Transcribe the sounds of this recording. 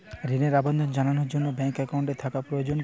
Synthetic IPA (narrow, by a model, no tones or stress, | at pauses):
ɾineɾabond̪ʱond͡ʒananoɾd͡ʑonːobɛŋkɛkawɳʈet̪ʰakapɾojod͡ʑon